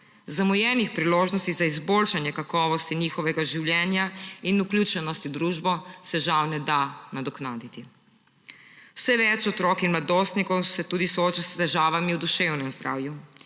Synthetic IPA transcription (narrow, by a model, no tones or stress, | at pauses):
zamɔjɛnixpɾiloːʒnɔst̪izaizbolʃanjɛkakɔːʋɔst̪iniːxɔʋɛɡaʒiwljɛːnjainuklʲjuːt͡ʃɛnɔst̪id̪ɾuːʒbɔsɛʒawnɛd̪anad̪ɔknaːd̪it̪i | wsɛʋɛt͡ʃɔt̪ɾɔkinmlad̪oːst̪nikɔwsɛt̪uːd̪isɔoːt͡ʃast̪ɛʒaːʋamiwd̪uʃewnɛmzd̪ɾʔa̰ːwju